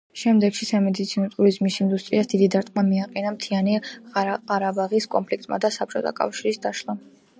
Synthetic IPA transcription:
ʃɛmd̪ɛɡʃisamɛd̪it̪sʰinɔt̪ʼuɾizmisind̪ust̪ʼɾiasd̪̥id̪id̪aɾt̪ʼmamiaqʼɛnamt̪ʰiani | aɾabaʁiskʼɔ̰mpʰlikʰt̪ʼma̰d̪asap̚t͡ʃʰʼɔt̪ʰa̰kʼa̰fʃiɾisd̪aʃlˠa

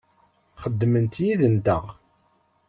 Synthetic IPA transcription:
χəd̪ːmənt̪jiðənd̪əʁ

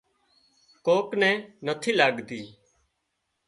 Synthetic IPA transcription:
koːknɛ̃ːnət̪ʰiːlaːɡd̪iː

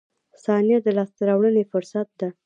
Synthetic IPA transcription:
sɑnjad̪əlɑst̪aɾawɽənefʊɾsat̪̚d̪a

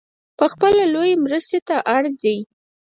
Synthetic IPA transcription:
pəxpəlalojemɾəst̪et̪aʔaɽd̪aj

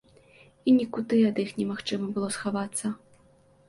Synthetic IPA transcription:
inʲikud̪ɨɐd̪ixnʲɛmaxt͡ʂɨmɐbɨlˠɔsxavat̪sːɐ

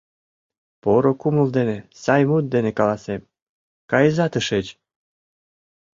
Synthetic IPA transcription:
poɾokumə̆ld̪enesɑjmut̪̚d̪enekɑlɑsem | kɑjəzɑt̪əʃet͡ɕ

